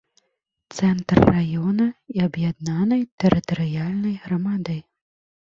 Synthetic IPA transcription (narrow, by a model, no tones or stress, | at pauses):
t̪sɛnt̪rːajɔnɐiɐbjad̪nanɐjt̪ɛɾɨt̪ɐɾɨjalʲnɐjɣɾɐmad̪ɐj